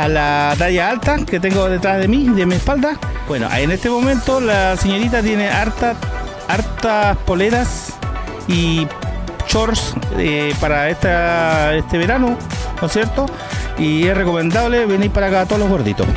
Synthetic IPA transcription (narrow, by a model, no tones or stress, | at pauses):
alat̪̬aʝaalt̪aket̪̬eŋɡoðet̪ɾazðemiðemiespald̪abweno̰ʔa̰enest̪emo̞mẽ̞nt̪olaseɲo̞ɾit̪at̪je̞neʔaɾt̪a | aɾt̪aspo̞leðas | i | t͡ʃoɾsepaɾaet̪aest̪eβeɾanokonsje̞ɾt̪o | iesreko̞mẽ̞nd̪aβleβeniɾpaɾakat̪oloɣo̞ɾðḭt̪os